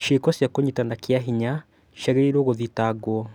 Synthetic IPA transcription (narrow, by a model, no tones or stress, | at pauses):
ʃikɔsjakoɲitanakiaɦiɲa | ʃɛɣeiɾoɣoðitaɡwɔ